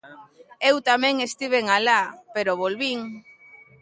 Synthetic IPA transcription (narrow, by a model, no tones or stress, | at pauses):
ewt̪amẽŋest̪iβ̞eŋalapeɾoβolβiŋ